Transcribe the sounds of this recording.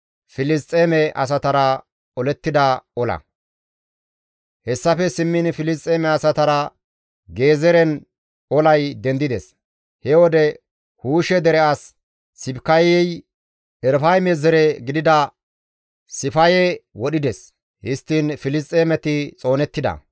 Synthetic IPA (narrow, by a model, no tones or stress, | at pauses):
fɪlɪst̪ʼːeːmɛʔɐ̰s̬ɐt̪ɐɾɐ | ɔlɛt̪ːɪd̪ɐɔlɐ̰ | hɛsːɐfɛsɪmːɪnfɪlɪst̪ʼeːmɛɐsɐt̪ɐɾɐ | ɡe̞ːzɛɾɛn | ɔlɐjd̪ɛnd̪ɪd̪ɛs | hɛwɔd̪ɛ | huːʃɛd̪ɛɾɛɐsː | ɪbkɐjɛj | ɛɾfɐjmezɛɾɛɡɪd̪ɪd̪ɐ | ɪfɐjɛwɔɗɪd̪ɛs | hɪst̪ːinfɪlɪs̬t̪ʼeːmɛt̪ɪt͡sʼo̞ːnɛt̪ːɪd̪ɐ̰